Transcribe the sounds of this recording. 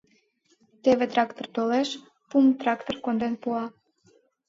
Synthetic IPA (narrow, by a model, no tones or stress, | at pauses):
t̪eβet̪ɾɑkt̪ort̪oleʃ | pumt̪ɾɑkt̪orkond̪enpuɑ